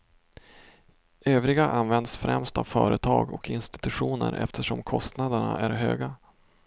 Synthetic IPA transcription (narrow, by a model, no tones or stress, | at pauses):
øːvɾɪɡaʔanvɛnd̪sfɾɛmst̪avfœːɾət̪ʰɑːɡɔkɪnst̪ɪ̥t̪ɵɧuːnə̰ɾʔɛ̰ft̪ʰəʂɔmkʰɔst̪nad̪əɳa̰ʔæɾɦøːɡa